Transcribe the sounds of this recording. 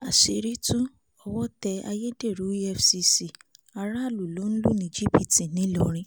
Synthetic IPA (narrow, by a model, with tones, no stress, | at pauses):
a˨ʃe˧ɾi˦tũ˦ | ɔ˧wɔ˦tɛ˧a̰˧je˦de˦˨ɾu˨˦ɛ˦fsi˧si˨a˧ɾa˦˨lu˨lo˨˦n̩˦lu˦nĩ˧˨˦d͡ʒi˦pi˦˨ti˨nĩ˨˦lɔ˧ɾ̃ĩ˧˦